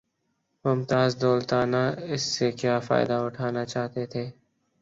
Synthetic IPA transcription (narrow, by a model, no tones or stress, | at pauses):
mʊmt̪aːzd̪oːlt̪aːnaɪsːekjaːfa̰ːɪd̪aʊʈʰaːnat͡ʃaːt̪et̪ʰeː